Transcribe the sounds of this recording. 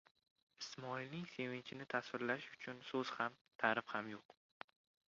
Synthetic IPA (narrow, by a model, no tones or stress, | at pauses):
ɪsmɒilnɪŋse̞vɪɲt͡ʃʰɪnɪt̪ʰasvɪɾlaʃʊ̥t͡ʃʰʊnsɵz̥ham | t̪ʰaɾɪfhamjoq